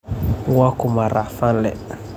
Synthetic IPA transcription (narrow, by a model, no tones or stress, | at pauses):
ŋwakumaɾafãlɛ̰